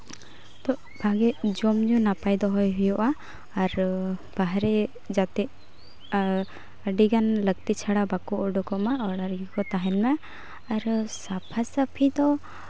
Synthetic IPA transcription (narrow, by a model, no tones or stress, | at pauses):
t̪ɔʔ | bʱaɡɛʔd͡ʒɔmɲunapajd̪ɔɦɔjɦujɔʔaː | ɾb̥aɦaɾɛ | d͡ʒat̪ɛʔ | əɖiɡanləɡ̚t̪it͡ʃʰaɽabakɔʔɔɖɔkɔmaʔɔɽaɾɡikɔt̪aɦɛnmaː | ɾsapʰasapʰid̪ɔ